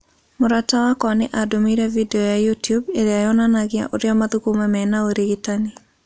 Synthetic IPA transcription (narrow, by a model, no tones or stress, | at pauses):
moɾatawakwaneʔadomiɾɛvideɔjajutjubeɾeajɔnanaɣja̰ʔoɾeamaðukumɛmɛnaoɾeɣitane